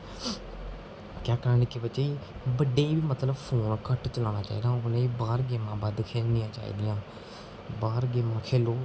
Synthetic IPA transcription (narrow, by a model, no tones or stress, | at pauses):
kjaːkəɾəɳkibət͡ʃeiːbəɖeːiːbiːmət̪ləbpʰoːnkəʈt͡ʃəlaːnaːt͡ʃa̰ːḭːd̪ãːoleiːbaːɾɡeːmãːbaːd̪kʰeːlnɪjãːt͡ʃa̰ːḭːd̪ɪjãː | baːɾɡeːmãːkʰeːloː